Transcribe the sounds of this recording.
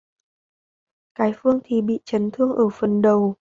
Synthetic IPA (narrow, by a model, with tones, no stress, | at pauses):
kaː˨˦jfɨ˧əŋt̪ʰi˨˩ɓḭ˧˨t͡ɕə˨˦nt̪ʰɨ˧əŋʔəː˧˩fə˨˩nɗə˨˩w